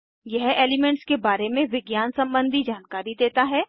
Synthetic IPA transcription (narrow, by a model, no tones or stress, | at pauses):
jɛɦeːlɪmɛ̃ɳʈskebaːɾemẽʋɪɡjaːnsɐ̃mbə̃nd̪ʱid͡ʒaːnkaːɾid̪eːt̪aɦɛː